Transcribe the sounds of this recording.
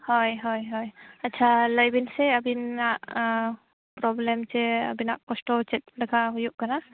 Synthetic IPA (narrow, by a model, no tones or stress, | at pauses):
hɔjɦɔjɦɔjat̚ːt͡ʃʰaləjbinsɛabinaʔ | pɾɔblɛmsɛə̰binaʔkɔsʈɔt͡ʃɛt̪̚laɡaɦujuʔkana